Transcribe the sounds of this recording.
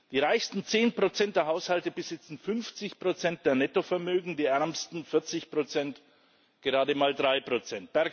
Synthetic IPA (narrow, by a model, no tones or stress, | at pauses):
d̥iːʁaɪçstn̩t͡seːnpʁ̥ot͡sɛnt̚d̥eːɐɦaʊshaltəbəz̥ɪt͡sn̩fʏnft͡sɪçpʁ̥ot͡sɛnt̚d̥eːɐnɛtofɛɐmøːɡŋ̩diːʔɛɐmstn̩fɪɐt͡sɪçpʁ̥ot͡sɛnt | ɡ̥əʁaːdəmaːldʁaɪpʁ̥ot͡sɛnt̚b̥ɛɐ